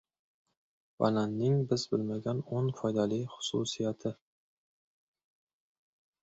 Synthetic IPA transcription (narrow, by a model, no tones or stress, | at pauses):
va̰lanːɪŋbɪzbɪlmaɡʲanonfɒjd̪alijχʊ̥sṵsijat̪ʰɪ